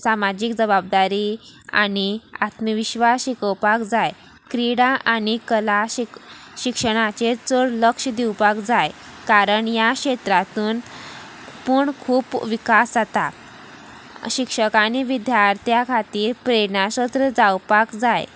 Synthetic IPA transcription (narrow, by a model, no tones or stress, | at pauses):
samad͡ʑikd͡zəbab̚d̪aɾia̰nia̰t̪məʋiɕʋaɕikəwpakd͡zaj | kɾiɽaʔanikəlaiɕikʂəɽ̃at͡ɕet͡səɽləkʂd̪iwpakd͡zajkaɾəɳjaɕet̪ɾat̪uːn | puːɳkʰuːpʋikasd͡zat̪a | ɕikʂəkaniʋid̪jaɾt̪ʰjakʰat̪iːɾpɾenasət̪ɾəd͡zawpakd͡zaj